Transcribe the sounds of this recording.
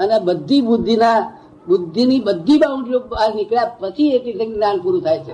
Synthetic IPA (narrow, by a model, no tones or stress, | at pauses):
ənebəd̪ʱːibʊd̪ʱːina | bʊd̪ʱːinibəd̪ʱːibaũɳʈijõbaɾnɪkɭjapət͡ʃʰieʈisẽŋnanpuɾũt̪ʰajt͡ʃʰe